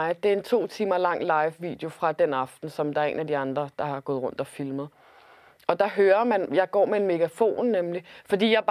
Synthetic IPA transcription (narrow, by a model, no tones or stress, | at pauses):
ɪd̥e̝æɐe̝nt͡sʰo̝̰ːt͡sʰiːmɐlɑ̈ŋ̰lɑ̈ɪʋːḭːd̥eo̝fʁɑ̈d̥enɑ̈fd̥n̩sɒ̽md̥ɑɐe̝̰ːnæd̥iɑ̈nd̥ʁɐd̥ɑ̈hɑ̈ɡ̥ɔ̽ːð̩ˠʁɔ̽n̰d̥ɒ̽filməð̩ˠ | ɒ̽d̥ɑ̈ɦøːɐmænjɑ̈ɪɡ̥ɒ̰ːmeenme̝ɡ̥æfo̝̰ːnːemlifɒ̽d̥ḭːjɑ̈ɪ̥